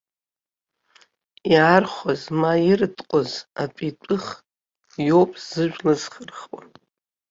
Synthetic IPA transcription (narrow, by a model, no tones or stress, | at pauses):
iarχʷazmajɪrtʼqʷʼozapʼitʷʼɨχ | jopʼz̥ɨʒʷᶣlaz̥χərχwa